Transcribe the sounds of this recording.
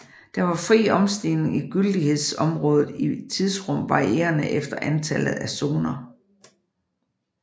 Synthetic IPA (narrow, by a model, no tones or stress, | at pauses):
d̥ɑ̈ʋɑ̈fʁḭːɒ̽msd̥e̝ne̝ŋiɡ̥yld̥ihe̝ð̞̰ˠsɒ̽mʁɔ̽ːðˠð̩ˠit͡sʰiðˠsʁɔ̽m̰ʋɑ̈ʁie̝̰ːɐnəʔefd̥ɐʔænt͡sʰæl̰ð̞̩ˠæsoːnɐ